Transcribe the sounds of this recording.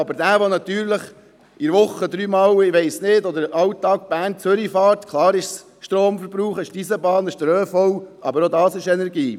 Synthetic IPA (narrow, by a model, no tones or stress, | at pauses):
ɑbəɾdæːʋonɑt̪yːɾləχ | ɪɾʋʊχːəd̪ɾyːmɑwɪʋɛɪsnɪːdɔd̪əɾɑwt̪ːɑːk̚b̥æːnt͡søɾifɑːɾtkʰlˠɑːɾɪʃs | ʃtɾoːmfəɾbɾuːχəʃtisəbɑːnəʃtɾøːfɔwʔɑ̰bəɾod̪ɑːsɪʃɛnɛɾɡiː